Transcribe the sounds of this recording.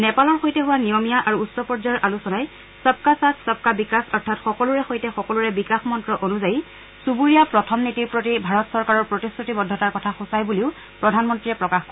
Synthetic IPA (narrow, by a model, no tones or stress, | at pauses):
nɛpalɔɹxojtɛɦʊwanijɔmijaʔaɹuːtsɔpɔɹzajɔɹʔalusɔnaj | sap̚kasassap̚kabikasɔɹtʰatxɔkɔluɹɛxojtɛxɔkɔluɹɛbikaxmɔntɹɔʔonuzaj | subuɹijapɹɔtʰɔmnitiɹpɹotibʱaɹɔtsɔɹkaɹɔɹpɹotiskutibɔdʱːɔtaɹkɔtʰaxusajbuliʊ | pɹɔdʱanmɔntɹiɹɛpɹɔkaxkɔ